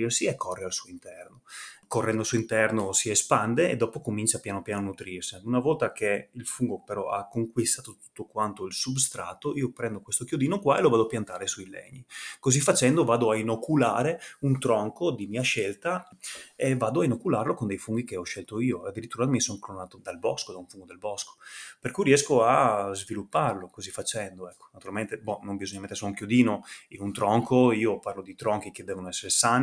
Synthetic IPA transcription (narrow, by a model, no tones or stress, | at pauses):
irsiekʰːorːealsuoint̪ɛrnokorːɛnd̪olsuoint̪ɛrnosiespand̪eḛd̪ɔːpokomint͡ʃapjaːnopjaːnonut̪ɾirsiunavɔlt̪akeilfuŋɡopeɾɔ̰a̰kːoŋkwist̪aːt̪ot̪u̥t̪ːokwant̪oilsubst̪ɾa̰ːt̪ːoiːopɾɛnd̪okwest̪okjod̪iːnokwaelovaːd̪oapjant̪aːɾesuilḛɲːikozifːat͡ʃɛnd̪ovaːd̪oainokːula̰ːɾeunt̪ɾɔŋkod̪imiːaʃɛlt̪a | evaːd̪oainokːulaːɾlokond̪ejfuŋɡikeɔʃːɛlt̪oiːoad̪ːiɾit̪ːuːɾamisoŋklonaːt̪od̪albɔskod̪aũɱfuŋɡod̪elbɔsko̥perkujɾiɛskoazvilupːarlokozifːat͡ʃɛnd̪oɛkːo̥nat̪uɾalment̪ebɔnombizoɲːamet̪ːersuauŋkjod̪iːnoinunt̪ɾɔŋkʰoiːoparlod̪it̪ɾɔŋkiked̪ːɛːvonoɛsːeɾesaːni